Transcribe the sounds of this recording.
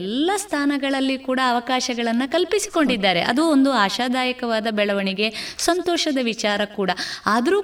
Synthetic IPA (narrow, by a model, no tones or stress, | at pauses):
lːɐst̪ʰaːnɐɡɐɭɐlːikuːɽɐːʋɐkaːʃɐɡɐɭɐnːɐkɐlpisi̥ko̞ɳɖid̪ːaːɾe̞̰ʔɐ̰d̪uond̪uaːʃaːd̪aːjɐkɐʋaːd̪ɐbɛɭɐʋɐɳiɡe̞sɐnt̪ɔːʃɐd̪ɐʋit͡ʃaːɾɐkuːɽɐaːd̪ɐɾuː